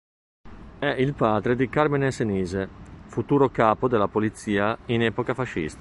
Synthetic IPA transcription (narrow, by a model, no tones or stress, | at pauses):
ɛʔilpaːd̪ɾed̪ikarmineseniːzefut̪uːɾokaːpod̪elːapolit̪siːainɛːpokafaʃːḭst̪a